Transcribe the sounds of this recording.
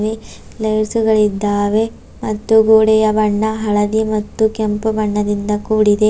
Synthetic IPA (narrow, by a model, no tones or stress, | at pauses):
ʋe | lɐjɾsuɡɐɭid̪ːaːʋe̞ | mɐt̪ːuɡoːɽɛjɐbɐɳːɐɦɐɭɐd̪imɐt̪ːukempubɐɳːɐd̪ind̪ɐkuːɽid̪e̞